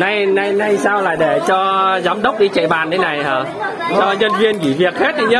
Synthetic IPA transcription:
na˧jna˧jna˧jsaː˧wla̰ː˨˩ɗe˧˩t͡ɕɔ˧zaː˨˦mɗə˦˥wk͡p̚ɗi˧t͡ɕḛ˧˨ɓaː˨˩nt̪ʰe˨˦na˨˩jhaː˨˩ | t͡ɕɔ˧ɲə˧nvi˧ənki˧˩vi˨˩ək̚he˦˥t̚ɗi˧ɲə˨˦

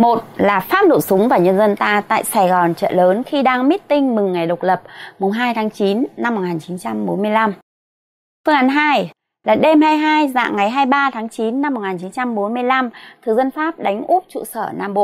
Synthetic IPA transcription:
mo˨˩t̚laː˨˩faː˦˥p̚no̰˧˨jsʊ˨˦ŋ͡mvaː˨˩wɲə˧nzə˧nt̪aː˧t̪a̰ː˧˨jsaː˨˧˩jɣɔ˨˩nt͡ɕə̰ː˧˨ləː˨˦nxi˧ɗaː˧ŋmi˦˥t̚t̪ï˧ŋ̟mɨ˨˩ŋːa˨˩jɗə˨˩wk͡p̚lə˨˩p̚mʊ˨˩ŋ͡mɦaː˧jt̪ʰaː˨˦ŋt͡ɕi˨˦nːa˧mːo˨˩ŋaː˨˩nt͡ɕi˨˦nt͡ɕa˧mɓo˨˦nmɨ˧əjla˧m | fɨ˧əŋʔaː˨˦nɦaː˧j | laː˨˩ɗe˧mɦaː˧jɦaː˧jza̰ː˧˨ŋːa˨˩jɦaː˧jɓaː˧t̪ʰaː˨˦ŋt͡ɕi˨˦nːa˧m̚ː˨˩ŋaː˨˩nt͡ɕi˨˦nt͡ɕa˧mɓo˨˦nmɨ˧əjla˧mt̪ʰɨ˨˩zə˧nfaː˦˥p̚ɗa˨˦jŋ̟ʔu˦˥p̚t͡ɕṵ˧˨səː˧˩naː˧mɓo̰˧˨ʔ

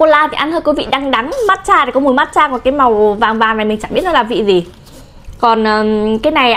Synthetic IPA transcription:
ko˧laː˧t̪ʰi˨˩ʔa˧nt̪ʰəː˧jkwu˨˦vḭ˧˨ɗaː˧ŋɗa˨˦ŋma˦˥t̚t͡ɕaː˧˩˨kɔ˨˦mu˧˩əma˦˥t̚t͡ɕaː˧kɔ˨˩kaː˨˦jma˨˩wvaː˨˩ŋvaː˨˩ŋna˨˩mi˨˩ŋ̟t͡ɕa˧˩ɓət̚nɔ˨˧˦laː˨˩vḭ˧˨zi˨˩ | kɔ˨˩nʔəː˨˩kaː˨˦jna˨˩j

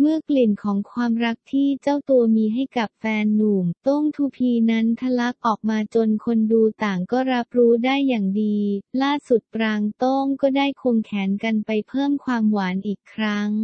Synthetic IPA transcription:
mɯ˥˩əkli˨˩nkʰɔː˩˦ŋkʰwaː˧mɾa˦˥k̚t̪ʰiː˥˩t͡ɕa˥˩wt̪u˧ɐmiː˧ɦa˥˩jka˨˩p̚fɛː˧nːuː˨˩mt̪o˥˩ŋt̪ʰuː˧pʰiː˧na˦˥nt̪ʰa˧la˦˥k̚ʔɔː˨˩k̚maː˧t͡ɕo˧nkʰo˧nduː˧t̪aː˨˩ŋkɔː˥˩ɾa˦˥p̚ɾuː˦˥daː˥˩jːaː˨˩ŋdiː˧laː˥˩su˨˩t̪̚pɾaː˧ŋt̪o˥˩ŋkɔː˥˩daː˥˩jkʰo˧ŋkʰɛː˩˦nka˧npa˧jpʰɤː˥˩mkʰwaː˧mwaː˩˦nʔiː˨˩kʰːɾa˦˥ŋ

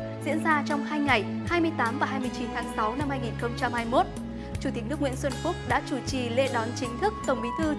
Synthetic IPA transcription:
zḭ˧˥ənzaː˧t͡ɕɔ˧wŋ͡mhaː˧jŋa˨˩j | haː˧jmɨ˧əjt̪aː˨˦mvaː˨˩ɦaː˧jmɨ˧əjt͡ɕi˨˦nt̪ʰaː˨˦ŋsa˨˦wna˧mhaː˧jŋi˨˩nxə˧wŋ͡mt͡ɕa˧mhaː˧jmo˦˥t̚ | t͡ɕu˧˩i˨˩k̚nɨ˦˥əkwḭ˧˥nswə˧nfʊ˦˥k͡p̚ɗa̰ː˧˥t͡ɕu˧˩t͡ɕi˨˩le˧ɗɔ˨˦nt͡ɕï˨˦ŋ̟t̪ʰɨ˦˥k̚t̪ə˨˩wŋ͡mɓi˨˦t̪ʰɨ˧

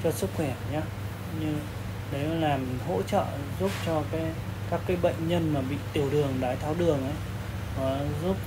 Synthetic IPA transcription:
t͡ɕɔ˧sɨ˦˥k̚xwɛ˧˩ɲaː˨˦ | ɲɨ˧ŋ | ɗə˨˦jlaː˨˩mɦo̰˧˥t͡ɕə̰ː˧˨ | zu˦˥p̚t͡ɕɔ˧kaː˨˦j | kaː˦˥kːaː˨˦jɓə̰˧˨jŋ̟ɲə˧nmaː˨˩ɓḭ˧˨t̪i˧˩əwɗɨ˨˩əŋɗaː˨˦jt̪ʰaː˧wɗɨ˨˩əŋʔə˨˦j | nɔ˨˦zu˦˥p̚

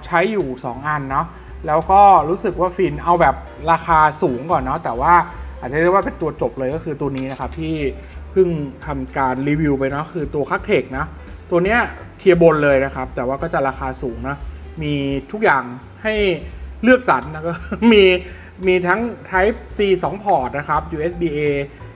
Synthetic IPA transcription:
t͡ɕʰa˦˥jːuː˨˩sɔ̰ː˩˦ŋʔa˧nːɔ˦˥ | lɛː˦˥wkɔː˥˩ɾuː˦˥sɯ˨˩k̚waː˥˩fi˧nʔa˧wbɛː˨˩p̚ | ɾaː˧xaː˧suː˩˦ŋkɔː˨˩nːɔ˦˥t̪ɛː˨˩waː˥˩ʔa˨˩t̪̚a˨˦ɾɯ˥˩wa˥pe˧nt̪u˧ɐt͡ɕo˨˩p̚lɤː˧jkɔː˥˩xʰɯː˧t̪u˧ɐniː˦˥na˦˥kʰa˦˥p̚t̪ʰiː˥˩ | pʰɯ˥˩ŋt̪ʰa˧mkaː˧nɾiː˧wi˧wpa˧jnɔ˦˥kʰɯː˧t̪u˧ɐkʰa˦˥k̚t̪ʰeː˨˩k̚nɔ˦˥ | t̪u˧ɐni˦˥ɐt̪ʰi˧ɐbo˧nlɤː˧jna˦˥kʰa˦˥p̚t̪ɛː˨˩waː˥˩kɔː˥˩t͡ɕa˨˩ɾaː˧xaː˧suː˩˦ŋnɔ˦˥ | miː˧t̪ʰu˦˥k̚jaː˨˩ŋ | ha˥˩jlɯ˥˩ək̚sa˩˦nː˧˥kɔː˥˩miː˧ | miː˧t̪ʰa˦˥ŋt̪ʰa˦˥jp̚siː˧sɔː˩˦ŋpʰɔː˨˩t̪̚na˦˥kʰa˦˥p̚juː˧ʔe˦˥sbiː˧ʔeː˧

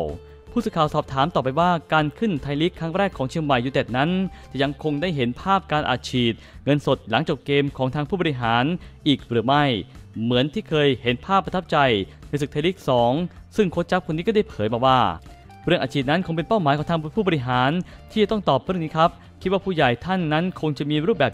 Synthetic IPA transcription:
w | pʰuː˥˩sɯ˧kʰaː˨˩wsɔː˨˩p̚t̪ʰaː˩˦mt̪ɔː˨˩p̬ːa˧jwaː˥˩kaː˧nkʰɯ˥˩nt̪ʰa˧jli˦˥kʰːaː˦˥ŋɾɛː˥˩kʰːɔː˩˦ŋt͡ɕʰi˧əŋma˨˩jːuː˨˩t̪ɛ˨˩t̪̚na˦˥nt̪ɛː˨˩ja˧ŋkʰo˧ŋdaː˥˩jɦe˩˦npʰaː˥˩p̚kaː˧nʔa̰ː˨˩t͡ɕʰiː˨˩t̪̚ŋɤ˧nso˨˩t̪̚la˩˦ŋt͡ɕo˨˩k̚keː˧mkʰɔː˩˦ŋt̪ʰa˧ŋpʰuː˥˩bɔː˧ɾi˧˥ɦaː˩˦nʔiː˨˩k̚ɾɯː˩˦ma˥˩jmɯ˩˦ənt̪ʰiː˥˩kʰɤː˧jhe˩˦npʰaː˥˩pːa˧t̪ʰa˦˥p̚t͡ɕa˧j | ɾa˧˥sɯ˨˩k̪̚ʰa˧li˦˥k̚sɔː˩˦ŋsɯ˥˩ŋkʰo˦˥t̪̚t͡ɕa˦˥p̚kʰo˧nːi˦˥kɔ˥˩da˥˩jpʰɤː˩˦jbɔː˨˩kwaː˥˩ | ɾɯ˥˩əŋʔaː˨˩t͡ɕʰiː˨˩t̪̚na˦˥nkʰo˧ŋpe˧npa˥˩wmaː˨˦jkʰɔ˩˦ŋt̪ʰːpʰuː˥˩bɔ˧ɾi˧˥ɦaː˩˦nt̪ʰiː˥˩a˩t̪ɔ˥˩ŋt̪ɔː˨˩p̚ɾɯ˥˩əniː˦˥kʰɾa˦˥p̚ | kʰt̪̚waː˥˩pʰuː˥˩ja˨˩jt̪ʰa˥˩nːa˦˥nkʰo˧ŋt͡ɕa˨˩miː˧ɾuː˥˩p̚bɛː˨˩

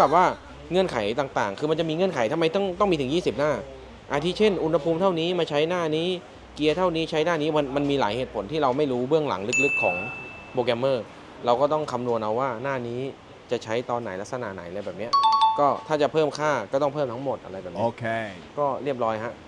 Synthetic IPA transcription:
ka˨˩p̚waː˥˩ | ŋɤ˧ənkʰa˩˦jt̪aː˨˩ŋt̪aː˨˩ŋkʰɯː˧ma˧nt͡ɕa˨˩miː˧ŋɤ˧ənkʰa˩˦jt̪ʰa˧ma˧jt̪ɔ˥˩ŋt̪ɔ˥˩ŋmi˧t̪ʰjiː˥˩si˨˩p̚naː˥˩ | ʔa˧˩t̪ʰiː˥˩t͡ɕʰe˥˩nʔu˧nha˧pʰuː˧mt̪ʰa˥˩wniː˦˥maː˧t͡ɕʰa˦˥jnaː˥˩niː˦˥ | ki˧ɐt̪ʰa˥˩wniː˦˥t͡ɕʰa˦˥jnaː˥˩niː˦˥ma˧nma˧nmiː˧la̰ː˩˦jheː˨˩t̪pʰo˩˦nt̪ʰiː˥˩ɾa˧wma˥˩jɾuː˦˥bɯ˥˩əŋla̰˩˦ŋlɯ˦˥k̚lɯ˦˥kʰːɔː˩˦ŋ | pʰoː˧kɛ˧mːɤː˥˩ | ɾa˧wkɔː˥˩t̪ɔ˥˩ŋkʰa˧mnu˧ənʔa˧wːaː˥˩naː˥˩niː˦˥ | t͡ɕa˨˩t͡ɕʰa˦˥jt̪ɔː˧nːa˩˦jla˦˥k̚sa˧na̰ː˨˩na̰˩˦jʔla˧jbɛː˨˩p̚ni˦˥ɐkɔː˥˩t̪ʰaː˥˩t͡ɕa˨˩pʰɤː˥˩mkʰaː˥˩kɔː˥˩t̪ɔ˥˩pʰɤː˥˩mt̪ʰŋmo˨˩t̪̚ʔa̰˧ɾa˧jbɛː˨˩p̚i˦˧˦kɔː˥˩ɾi˥˩əp̬̚lɔː˦˥jɦa˦˥ʔ

